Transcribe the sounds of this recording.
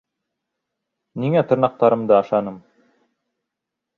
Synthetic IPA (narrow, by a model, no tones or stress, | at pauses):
niŋæt̪ʰɤ̆ɾnɑq̚t̪ɑɾɤ̆md̪ɤɑʃɑnɤm